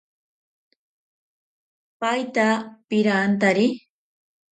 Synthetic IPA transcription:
pajt̪apɪɾaːnt̪aɾɪ

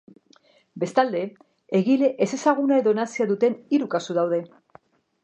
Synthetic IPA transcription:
be̞st̪ald̪e̞ | eɣile̞ʔese̞saɣ̞unae̞ðo̞nasiaðut̪e̞niɾukasuðawð̞e̞

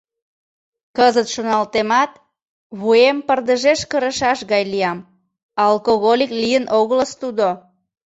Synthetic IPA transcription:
kəzət̪ʃonɑlt̪emɑt̪ | βuempərd̪əʒeʃkəɾəʃɑʃɣɑjliɑm | ɑlkoɣolʲiklijənʔoɣələst̪ud̪o

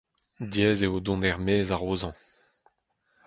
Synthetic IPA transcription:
djɛːzeod̪ɔ̃dɛʁmeːzaʁoːzɑ̃

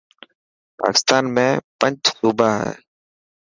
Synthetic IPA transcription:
pa̰ːkɪ̥st̪aːnmẽːpəɲd͡ʒsuːbʱaːɦɛ̰ː

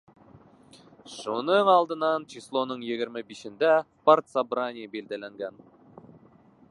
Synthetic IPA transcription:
ʃonəɴɑlˠd̪ənɑnt͡ʃʰislˠonəɴjeɡʲɪɾmɪbiʃɪ̆nd̪æspart̪sabɾanʲijbeld̪elæŋɡʲæn

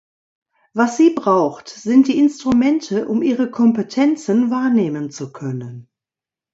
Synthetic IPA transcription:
vasz̥iːbʁaʊxtz̥ɪnt̚d̥iːɪnstʁ̥umɛntʰəʔʊmʔiːʁəkʰɔmpətʰɛnt͡sənvaːɐneːmənt͡sukʰœnən

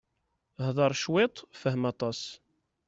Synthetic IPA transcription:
hðˤɑɾˤʃwɪt̪ˤfəhmɑt̪ˤɑs

